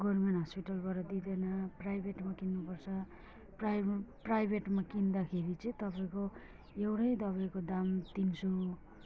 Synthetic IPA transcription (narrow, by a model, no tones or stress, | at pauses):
ɡʌrmenɦʌspiʈʌlbʌɾʌd̪id̪enaprajbʱeʈmakinːupʌrt͡sʰʌ | praprajbʱeʈmakind̪akʰeɾit͡sʌĩt̪ʌpaĩko | ewʈʌjd̪ʌβajkod̪amt̪inso